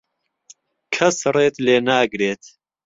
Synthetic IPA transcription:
kʰɐsreːt̪leːnaːɡɾeːt̪

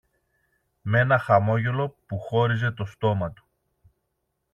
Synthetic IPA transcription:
me̞nɐxɐmo̞ʝe̞lo̞puxo̞ɾize̞t̪o̞st̪o̞mɐt̪u̥

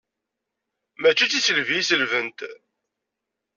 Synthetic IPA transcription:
mæt͡ʃːit͡sːisəlviisəlvənt̪

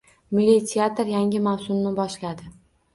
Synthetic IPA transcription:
mɪlʲit̪ʲʰeat̪ɾjaŋʲɪmawsʊmnɪbɒʃlad̪ɪ

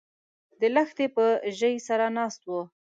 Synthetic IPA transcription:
d̪əlaxt̪epəʒəjsaɾanɑst̪̚wo

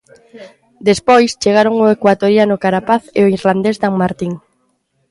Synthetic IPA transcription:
d̪espojst͡ʃeɣ̞aɾoŋʊekwat̪oɾjanʊkaɾapaθḛʊiɾland̪ezd̪aŋmaɾt̪iŋ

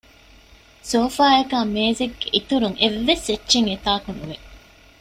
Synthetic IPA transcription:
soːfaːekaːmeːzeɡɡeʔit̪uɾuŋeʋːeset͡ʃːʃeŋet̪aːkunuʋe

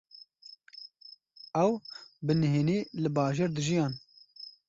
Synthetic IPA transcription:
ɛwbɨnɨɦeːneːlɨbɑːʒeːɾd̪ɨʒijɑːn

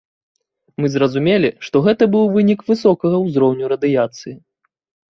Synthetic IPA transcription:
mɨzɾɐzumʲelʲiʂt̪ɔɣɛt̪ɐbɨwvɨnʲikvɨsɔkɐɣɐwzɾɔwnʲuɾɐd̪ɨjat̪sɨji

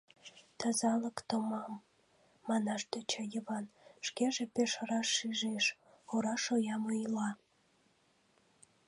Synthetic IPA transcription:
t̪əzɑləkt̪omɑmː | ɑnɑʃd̪et͡ɕɑjəβɑnʃkeʒepeʃəɾɑʃːyʒeʃ | oɾɑʃojɑmojlɑ

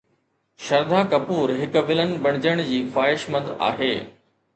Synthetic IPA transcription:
ʃɐɾd̪ʱakɐpuːɾɦɪkʋɪlənɪ̆bɐɽ̃ɪd͡ʑəɽ̃d͡ʑiːfaːɦɪʃmɐ̃d̪a̰ːɦeː

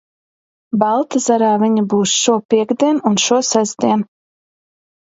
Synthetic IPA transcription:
balˠt̪azaɾaːviɲibuːsʃuɔpʲiɛɡd̪ʲiɛnunʃuɔsazd̪ʲiɛn

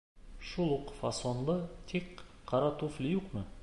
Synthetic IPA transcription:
ʃulˠuqfasonlˠət̪ʰek | qʰːɑɾɑt̪uflʲijuqmə

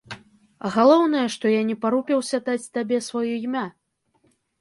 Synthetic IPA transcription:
ɣalˠɔwn̪ɐjɐʂt̪ɔjanʲɛpaɾupʲɛwsʲat̪at͡sʲt̪abʲɛsvɔjuimʲa

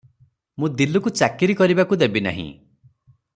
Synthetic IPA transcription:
mũd̪ilukut͡ʃakiɾikɔɾibakud̪ebina̰ɦḭ̃

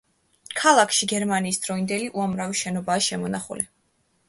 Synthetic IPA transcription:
kʰalˠakʰʃiɡɛɾmaniːsd̪̥ɾɔind̪ɛliʔuamɾaviʃɛnɔbaːʃɛmɔnaχṵli

